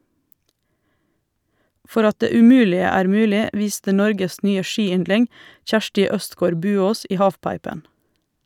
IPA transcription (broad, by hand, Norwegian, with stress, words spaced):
ˈfɔɾ ˈɑt ˈdeː ʉˈmʉːlɪə ˈæːɾ ˈmʉːlɪ ˈʋiːstə ˈnɔɾɡəs ˈnyːə ˈʃiːˌʏndlɪŋ ˈçæʃʈɪ ˈœstɡoːɾ ˈbʉːoːs ˈiː ˈhɑːfˌpɑɪpən